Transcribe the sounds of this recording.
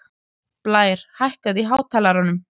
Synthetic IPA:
plaːjɾ̥hajhkaðiɦaːwt̪ʰaːlaɾanːʏm

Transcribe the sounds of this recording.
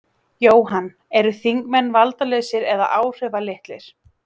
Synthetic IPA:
joːwɦanː | ɛɾʏθiŋkmɛnːvalt̪alœɥsɪɾɛða̰ʔaːwr̥ɛvalɪht̪lɪɾ̥

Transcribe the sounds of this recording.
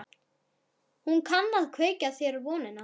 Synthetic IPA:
hunkʰanːaðkʰveːjcaθjɛːɾʏɾvɔːnɪna

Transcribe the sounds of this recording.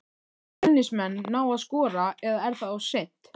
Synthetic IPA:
ɛnːɪsmɛnːaːwaðskɔːɾaɛðaðɛɾθaðawsent̪

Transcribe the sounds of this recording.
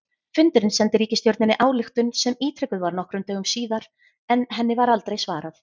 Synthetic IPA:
fʏnt̪ʏɾɪnsɛnt̪ɪɾiːcɪst̪jɔwɾt̪nɪnɪʔaːwlɪxt̪ʏnsɛmiːt̪ʰɾɪkʏðvaɾnɔhkɾʏmt̪œːɣʏmsiːðaɾ̥ | ɛnɦɛnːɪvaɾal̪t̪ɾejsvaːɾaθ

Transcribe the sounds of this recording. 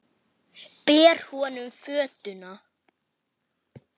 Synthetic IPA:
pɛːɾ̥hɔːnʏmfœːt̪ʏna

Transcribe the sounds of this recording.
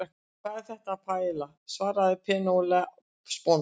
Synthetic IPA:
ɛk | kʰv̥aðθɛht̪aːpʰaːjla | svaːɾaðɪpʰɛːnowlɛ | spɔn

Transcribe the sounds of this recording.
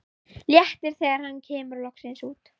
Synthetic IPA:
ljɛht̪ɪɾ̥θɛːɣaɾ̥hanːcʰɛːmʏɾlɔksɪnsuːt̪

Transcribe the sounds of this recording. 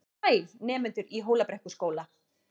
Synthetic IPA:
ajlnɛːmʏnt̪ʏɾiɦoːwlapɾɛhkʏskoːwla

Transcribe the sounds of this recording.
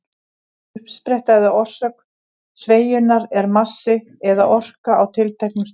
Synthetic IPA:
ʏpspɾɛjht̪aðɪʔɔr̥sœk | sveːjʏnaɾɛɾmasːɪ | ɛðaʔɔr̥kaawt̪ʰɪlt̪ʰɛjhknʏs

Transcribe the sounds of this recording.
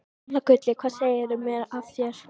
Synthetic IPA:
lakʏt̪lɪkʰvaːðseːjɪɾɪmɛɾaft̪jɛɾ̥

